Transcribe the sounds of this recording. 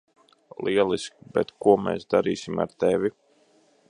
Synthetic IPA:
lˠiɛlˠiskʲbɛt̪kuɔmɛ̰ːsd̪aɾiːsima̰ɾt̪evʲi

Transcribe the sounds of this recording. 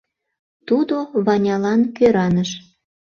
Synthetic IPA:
t̪ud̪oβɑnʲɑlɑnkøɾɑnəʃ

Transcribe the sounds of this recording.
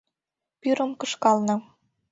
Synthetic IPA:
pyɾə̆mkɤ̆ʃkɑlnɤ̆

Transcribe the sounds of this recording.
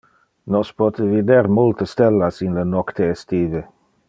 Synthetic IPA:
nɔspɔt̪əvid̪eɾmult̪əst̪elːasinlənɔkt̪eːst̪iːve

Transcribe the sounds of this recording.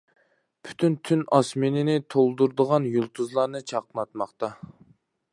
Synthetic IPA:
pʰy̥t̪ʰynt̪ʰynɑsmɪnɪnɪt̪ʰolˠd̪uɾd̪əʁɑnjulˠt̪ʰuzlˠɑɾnɨt͡ʃʰɑqnɑt̪̚mɑχt̪ɑ

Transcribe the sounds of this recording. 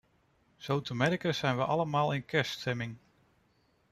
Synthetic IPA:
z̥owtəmɛɾikəz̥ɛjnʋəʔɑləmaːlˠɪnkɛɹstʰɛmɪŋ

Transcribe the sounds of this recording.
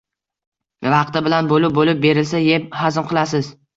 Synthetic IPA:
vɑqt̪ɪbɪlanbolɪp̚bolɪp̚be̞ɾɪlsajep̚hazmqʰɨlˠasɪz

